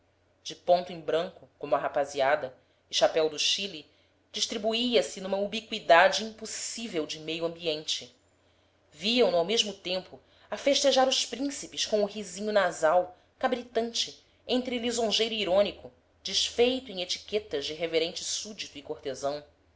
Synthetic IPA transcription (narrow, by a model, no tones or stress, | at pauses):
d͡ʒɪpõnt̪ʊẽj̃bɾɐ̃ŋkʊkõmʊɐɦapaziad̪ɐ | ɪʃapɛwd̪ʊʃili | d͡ʒiʃt̪ɾibuiɐsɪnũmɐubikwid̪ad͡ʒɪĩmpusivewd͡ʒɪmejuɐ̃mbiẽnt͡ʃɪ | viɐ̃w̃nawmeʒmʊt̪ẽmpʊ | afeʃt̪eʒaɾʊʃpɾĩsipɪʃkõʊɦizĩɲʊnazaw | kabɾit̪ɐ̃nt͡ʃɪ | ẽnt̪ɾɪlizõʒejɾʊiɾõnikʊ | d͡ʒɪʃfejt̪ʊẽj̃et͡ʃi̥kɛt̪ɐzd͡ʒɪɦeveɾẽnt͡ʃɪsud͡ʒit̪ʊikoht̪ezɐ̃w̃